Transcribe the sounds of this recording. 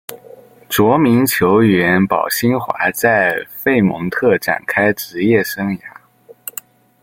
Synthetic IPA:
t͡swɔ˧˥mi˧˥nt͡ɕʰjo˧˥ʊɥɛ˧˥npɑ̰˨˩ʊɕi˥nxwa̰˧˥t͡sa˥˧ɪfe˥˩ɪmɤ̰˧˥ŋt̪ʰɤ˥˩ʈ͡ʂa̰˨˩nkʰa˥ɪʈ͡ʂɻ̩˧˥jɛ˥˩ʂɤ˥ŋja˧˥

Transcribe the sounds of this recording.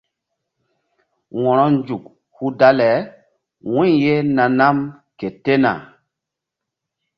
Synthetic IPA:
wɔ̃˨ɾɔ˦nd͡ʒu˨k | hu˦da˦lɛ˨˦ | wɛ̃˦ɲje˦na˨na˦m | ke˨te˦na̰˨

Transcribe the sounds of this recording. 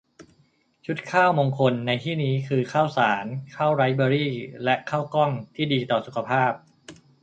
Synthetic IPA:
t͡ɕʰu˦˥t̪̚kʰaː˥˩wmoː˧ŋkʰo˧nːa˧jt̪ʰiː˥˩niː˦˥kʰɯː˧kʰaː˥˩wsaː˩˦nkʰaː˥˩wɾa˦˥jbɔː˧ɾiː˥˩lɛ˦˥ʔkʰaː˥˩wkɔ˥˩ŋt̪ʰiː˥˩diː˧t̪ɔː˨˩su˨˩kʰa˧pʰaː˥˩p̚

